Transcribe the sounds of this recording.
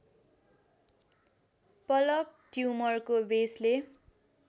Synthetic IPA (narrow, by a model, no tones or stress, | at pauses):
pʌlʌk̚ʈjumʌrkobesle